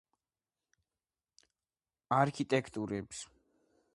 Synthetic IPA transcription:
aɾkʰit̪ʼɛkʰt̪ʼuɾɛbs

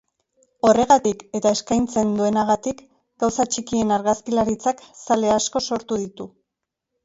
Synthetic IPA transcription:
o̞re̞ɣ̞at̪ike̞t̪ae̞skajnt͡se̞nd̪ue̞naɣat̪ik | ɡ̥awsat͡ʃikie̞naɾɣaskilaɾit͡saksale̞asko̞so̞ɾt̪uðit̪u

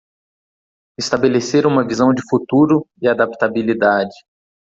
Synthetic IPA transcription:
ɪst̪abeleseɾũmɐvizɐ̃w̃d͡ʒɪfut̪uɾʊɪad̪apt̪abilid̪ad͡ʒɪ

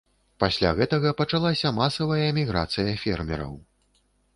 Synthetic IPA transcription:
pasʲlʲa̰ɣɛt̪ɐɣɐpɐt͡ʂalˠasʲɐmasɐvɐjɐɛmʲiɣɾa̰t̪sɨjɐfʲɛ̰rmʲɛ̰ɾɐ̰w

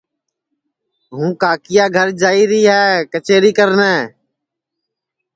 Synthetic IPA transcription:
ɦũːkaːkɪjaːɡʱəɾd͡ʒaːiːɾiːɦɛːkət͡ʃeːɾiːkəɾnɛː

